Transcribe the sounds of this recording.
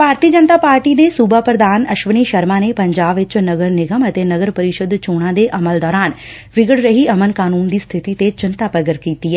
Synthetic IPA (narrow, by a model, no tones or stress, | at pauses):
paːɾt̪iːəd͡ʒənt̪aːpaːɾʈiːd̪eːsuːbaːpɾəd̪aːnəʃʋəniːʃəɾmãːneːpəɲd͡ʒaːbʋɪt͡ʃnəɡəɾnɪɡəmət̪eːnəɡəɾpəɾɪʃəd̪t͡ʃoːɽ̃ãːd̪eːʔəməld̪ɔːɾaːn | ʋɪɡəɽɾəɦiːəmənkaːnuːnd̪iːst̪ʰɪt̪iːt̪et͡ʃɪnt̪aːpəɡəɾkiːt̪iːɛː